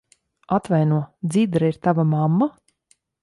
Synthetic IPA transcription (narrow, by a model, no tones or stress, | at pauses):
at̪vajnuɔd̪zid̪ɾaiɾt̪avamamːa